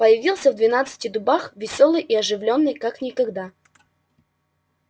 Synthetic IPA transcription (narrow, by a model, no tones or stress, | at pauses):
pəjɪvʲilˠsʲəvd̪vʲɪnat̪sɨ̥tʲɪd̪ʊbaxvʲɪsʲolˠɨjʔiɐʐɨvlʲo̞nːɨjkaknʲɪkɐɡd̪a